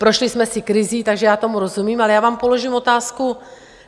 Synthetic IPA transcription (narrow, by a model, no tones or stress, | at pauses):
pɾo̞ʃlɪsmɛsɪkɾɪziːt̪aɡʒɛjaːt̪o̞muɾo̞zumiːmalɛjaːvaːmpo̞lo̞ʒiːmo̞t̪aːsku